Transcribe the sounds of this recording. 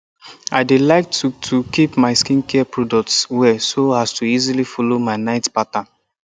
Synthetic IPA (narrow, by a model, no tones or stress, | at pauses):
a̰ɪdelaɪk̚tutʰukipmaɪskĩnkɛpɹɔdɔk̚tswɛsoastuizilifɔlomaɪnaɪtpatã